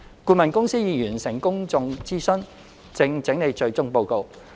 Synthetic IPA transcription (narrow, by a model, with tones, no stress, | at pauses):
kuː˧mɐ˨˩nkʊ˥ŋsiː˥jiː˨˧jyː˨˩nsɪ˨˩ŋkʊ˥ŋt͡sʊ˧ŋt͡siː˥sɵ˥n | t͡sɪ˧ŋt͡sɪ˨˥ŋne˨˧jt͡ʃɵ˧ɥt͡sʊ˥ŋpo˧wko˧w